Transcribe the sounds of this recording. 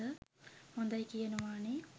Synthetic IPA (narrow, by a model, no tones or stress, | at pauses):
əhond̪ɐjkijɐnuʋaːɳe